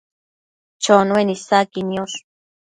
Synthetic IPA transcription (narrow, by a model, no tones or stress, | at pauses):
t͡ʃonwenisakinjoʂ